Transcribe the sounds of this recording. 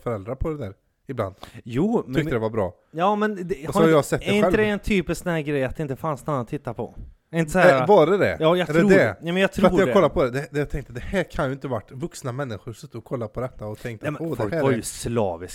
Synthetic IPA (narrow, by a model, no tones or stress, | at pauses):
fœɾɛld̪ɾapʰɔd̪ɛd̪æːɾ | ɪbla̰nd̪juːmʰʏk̪əd̪ɛvaɾbɾɑ̰ː | jɑːmɛnd̪ɛshɔaj̪jɑsɛt̪ːɛɛɾɪnɧɛləd̪ɛɛnt̪ʰyːpɪsksnæːɡɾɛjːat̪d̪ɛɪnt̪əfansnanːat̪t̪ʰːɪt̪ːapʰɔ̰ | ɛɾɪ̃nt̪əsɔhɛːɾavɑɾɛd̪ɛ̰jɑːjɑɡ̪ɾɛɾuːd̪ɛɛmɛnjɑɡt̪ʰɾɾtuːjaɖɛkɔlːapʰɔd̪ɛd̪ɛd̪ɛjat̪ʰɛŋkt̪əd̪ɛhæːɾkʰanjɵɪnt̪əvaʈːvɵksnamɛnːɪɧʊɾsɵt̪ːəɔkʰɔlːapʰɔd̪ɛt̪ːaɔt̪ʰɛŋkt̪ɛmd̪ɛæːvaɾjɵslɑ̰ːvɪs